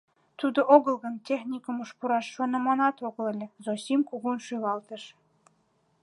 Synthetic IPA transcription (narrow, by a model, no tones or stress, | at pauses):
t̪ud̪oʔoɣə̆lɣənt̪ʲexnʲikə̆muʃpuɾɑʃːɑnə̆mɑnɑt̪oɣəlĕlʲĕzosʲimkuɣunʃylɑlt̪əʃ